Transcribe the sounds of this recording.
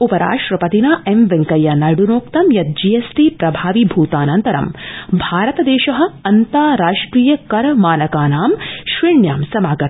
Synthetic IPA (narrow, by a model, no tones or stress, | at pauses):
upɐɾa̰ːʂʈɾɐpɐt̪inaːemʋeŋkɐjɐnɐɽunoːkt̪ɐmjɐt̪̚d͡ʒijesʈipɾɐbʱaːʋibʱuːt̪aːnɐnt̪ɐɾɐ̰mbʱaːɾɐt̪ɐd̪eːʃɐɦɐ̆ɐnt̪aːɾaːʂʈɾiːjɐkɐɾɐmaːnɐkaːnaːmʃʋiɳjaːmsɐmaːɡɐt̪